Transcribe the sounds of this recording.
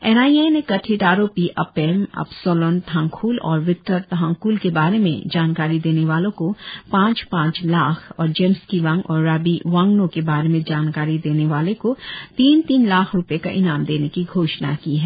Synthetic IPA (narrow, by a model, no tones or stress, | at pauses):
ɛːnaːienekɐʈʰiʈaːɾoːpiʔɐpɛːmɐ̰bsoːlɔːnt̪ʰãːŋkʰuːlɔ̰ːɾʋɪk̚ʈəɾt̪ɐɦãːŋkʰuːlkebaːɾemḛ̃d͡ʒaːnkaːɾid̪eːneʋaːlõkopãːt͡ʃpãːt͡ʃlaːkʰɔːɾd͡ʒẽːmskiʋɐ̃ŋɡɔːɾːaːbiʋãŋɡnõkebaːɾemẽd͡ʒaːnkaːɾid̪eːneʋaːlekot̪iːnt̪iːnlaːkʰɾʊpeka̰ʔɪnaːmd̪eːnekiɡʱoːʃnakiɦɛː